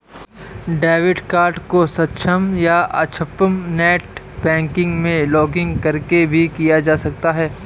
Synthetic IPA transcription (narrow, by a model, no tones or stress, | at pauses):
ɖɛːʋɪɖkaːɾʈkosɐtːʃʰəmjaʔɐt͡ʃʰəpəmnɛːʈ | bɛ̃ːŋkɪ̃ŋɡmẽlɔːɡɪ̃ŋɡkɐɾkebʱikijad͡ʒaːsɐk̚t̪aɦɛː